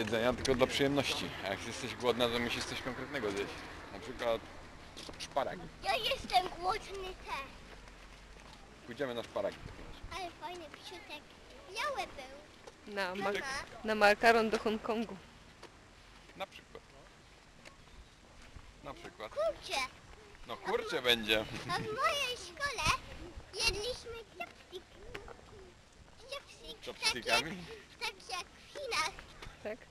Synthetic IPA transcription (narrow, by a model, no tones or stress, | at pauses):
ɛzɛɲat̪ɘlkɔd̪lapʂɨjɛmnɔɕt͡ɕia̰jakjɛst̪ɛʑɡwɔd̪nat̪ɔmuɕist̪sɔɕkɔŋkɾɛt̪nɛɡɔzʲjet͡ɕnapʂɘkwat̪ | ʂpaɾa̰ɡʲijajɛst̪ɛmɡwɔd̪nɪt̪ʰɛs | pujd͡ʑɛmɘnaʂpaɾa̰ɡʲit̪ɔpʲɛmsaɛfajnɛpʲiʃut̪ɛk | jawɛbɪw | namanamaɾkaɾɔnd̪ɔxɔŋkɔŋɡu | napʂɘkwa̰t̪ | napʂɘkwatk̪uɾt͡ʃɛ | nɔkuɾt͡ʃɛbɛɲd͡ʑɛavmɔjejʂkɔlɛjɛd̪lʲiɕmɘt͡ʃɛpsik | ɛpsikɛp̪ikamʲit̪akʲijak | fʲinast̪ak